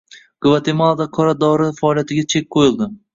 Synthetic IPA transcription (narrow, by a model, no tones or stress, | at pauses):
ɡ̥ɨvat̪ʰemalˠd̪aqʰɒɾad̪ɒɾɪfaːlˠijat̪ʰɪɡʲat͡ʃʰe̞k̚ʲqʰojɪlˠd̪ɪ